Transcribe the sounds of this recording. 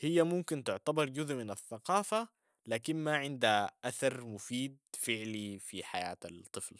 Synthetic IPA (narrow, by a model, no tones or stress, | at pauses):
hɪjːamʊmkɪnt̪ʊʕt̪abɑɾˤɟʊzʔmɪnaθːaqɑːfa | laːkinmaʕɪnd̪haʔaθɑɾˤmʊfiːd̪̚fɪʕlifiħa̰ja̰ːt̪at̪ˤːɨfl